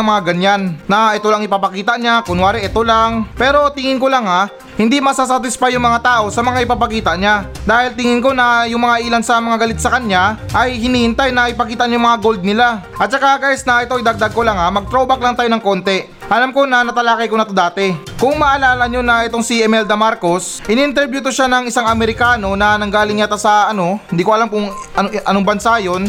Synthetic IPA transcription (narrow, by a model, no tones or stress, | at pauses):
ɐŋmɐŋaɡɐɲanːɐʔɛt̪olɐŋɪpapɐkiːt̪ɐʔɲakʊnwaːɾɛʔɛt̪olaŋpɛːɾo̞t̪ɪŋɪnko̞laŋa | hɪnd̪imɐsasat̪ɪspajʊŋmɐŋat̪aːʔo̞sɐmɐŋaʔɪpapɐkiːt̪ɐʔɲa | d̪aːhɪlt̪ɪŋɪnko̞nɐjʊŋmɐŋaʔiːlɐnsɐmɐŋaɡɐlɪt̪̚sɐkɐɲaʔɐjhɪniːhɪnt̪ajnɐʔɪpɐkiːt̪ɐɲʊŋmɐŋaɡo̞ld̪̚nɪla | ʔɐt̪̚t͡ʃɐkaɡaːjɪsnɐʔɪt̪oʔɪd̪ɐɡ̚d̪aɡ̚ko̞laŋamɐɡ̚t̪ɾobɐk̚lɐŋt̪aːjo̞nɐŋko̞nt̪ɛ | ʔɐlamko̞nɐnɐt̪ɐlaːkɐjkonɐt̪od̪aːt̪ɛ | kʊŋmɐʔːlaːlɐɲo̞nɐʔɛt̪oŋsiʔɛmɛld̪ɐmaɾko̞sʔɪniʔɪnt̪ɛɾbjut̪oʃanɐŋɪsaŋɐmɛɾɪkaːno̞nɐnɐŋɡaːlɪŋɲat̪ɐsɐɐno̞hɪnd̪iːkoɐlamkʊŋ | ɐʔɐnoŋbɐnsajo̞n